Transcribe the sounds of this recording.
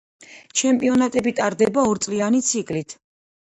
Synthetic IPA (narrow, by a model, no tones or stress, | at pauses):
t͡ʃʰɛmpʼiɔnat̪ʼɛbit̪ʼaɾd̪ɛbaɔɾt̪sʼlianit̪sʰikʼlit̪ʰ